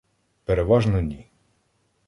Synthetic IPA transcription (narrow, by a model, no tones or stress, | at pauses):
peɾeʋɑʒnɔnʲi